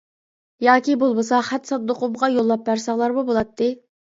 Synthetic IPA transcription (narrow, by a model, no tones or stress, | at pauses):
jɑːkʲibolˠbɨsɑχæt̪sɑd̪ːoqʰʊmʁɑjolˠːɑp̚bæɾsɑŋlˠɑɾmubolˠɑt̪ʰːɨ